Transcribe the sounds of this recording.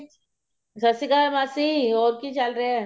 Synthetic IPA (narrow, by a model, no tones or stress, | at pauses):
sɐsikamaːsioːɾkit͡ʃalɾɐeɛ